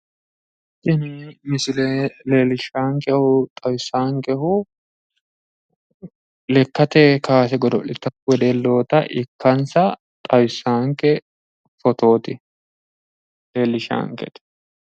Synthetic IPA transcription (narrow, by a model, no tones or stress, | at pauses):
ʔɪnɪmɪsɪlɛleːlɪʃaːŋkɛhʊt̪ʼɐwsːaːŋkɛɦʊ | lɛkːɐt̪ɛkaːs̬ɛɡɔd̪ɔ̰lɪt̪ːɐwɔd̪elːo̞ːt̪ɐʔɪkːɐnsɐ | t̪ʼɐwsːaːŋkɛ | fɔt̪o̞ːt̪ɪ | leːlːɪʃa̰ːŋkɛ̰t̪ɛ̥